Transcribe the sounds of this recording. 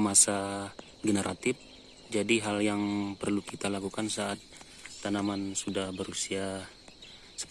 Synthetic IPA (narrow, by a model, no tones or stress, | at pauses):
masa | ɡənəɾʔat̪ɪf | d͡ʒadiɦaljaŋpərlukit̪alakukansaːt̪̚ː | anamansudahbəɾusia | sə̥